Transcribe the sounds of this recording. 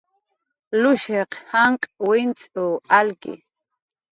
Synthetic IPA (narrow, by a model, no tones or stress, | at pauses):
luʃɛqʰhaɴqʼwint͡sʼualɡḭ